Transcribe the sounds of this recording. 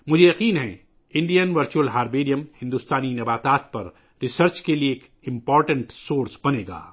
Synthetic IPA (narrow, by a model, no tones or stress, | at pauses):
mʊd͡ʒʱejɐqiːnɦɛ̰̃ | ɪ̃ɳɖijənʋɐɾt͡ʃuəlɦaːɾbeːɾijəmhɪ̃nd̪ust̪aːninɐbaːt̪aːt̪̚pɐ̰ɾ | ɾɪsəɾt͡ʃkelieeːk | ɪ̃mpɔːɾʈə̃ɳʈsoːɾsbɐneːɡa̰ː